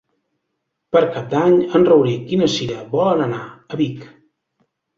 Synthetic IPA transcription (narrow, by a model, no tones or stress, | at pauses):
pəɾkap̚d̪aɲənrəwɾikinəsiɾəβɔlənənaəβik